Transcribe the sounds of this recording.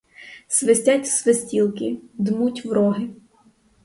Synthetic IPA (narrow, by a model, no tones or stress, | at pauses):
sʋesʲtʲatʲsʋesʲtʲilˠkɪd̪mutʲʋɾɔɦɪ